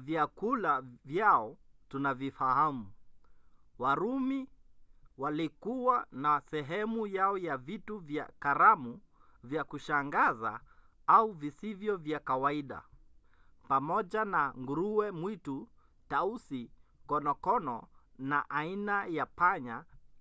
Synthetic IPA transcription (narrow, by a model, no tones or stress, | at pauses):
vjakulavjaɔtunavifahamu | waɾumi | walikuwanasɛɦɛmujaɔjavituvja̰kaɾamu | vjakuʃaŋɡaza̰ | auvisivjɔvjakawaiɗa̰ | pamɔʄanaŋɡuɾuwɛmwitu | tausikɔnɔkɔnɔna̰ʔainajapaɲa